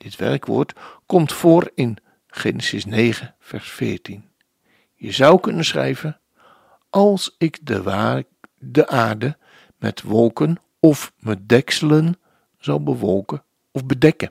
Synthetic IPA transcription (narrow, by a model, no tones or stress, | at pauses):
d̥ɪtʋɛ̰rkʋʊ̰ːɹtkɔmtfoːrɪn | χeːnəsɪsneːɣəfɛrsfɪːɹtin | jəzʌwkɵnənsχrɛ̰jvə | ʔɑlˠsɪkdə | dəʔaːrdə | mɛ̰tʋɔlˠkən | ɔfmədɛksələn | z̥ɑwˠbəʋɔlˠkə | ɔfbədɛkə